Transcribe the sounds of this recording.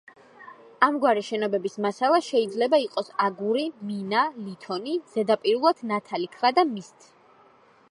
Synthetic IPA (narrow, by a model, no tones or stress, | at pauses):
amɡwaɾiʃɛnɔbɛbismasalˠaʃɛid̪zlɛbaiqʼɔsaɡuɾiminalit̪ʰɔniz̥ɛd̪apʼiɾulˠat̪ʰnat̪ʰalikʰvad̪amist̪ʰ